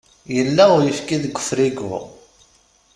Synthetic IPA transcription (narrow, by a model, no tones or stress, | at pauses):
jəlːæʊɾjəfkiðəɡʷːə̥fɾiɡʊ̰ʁ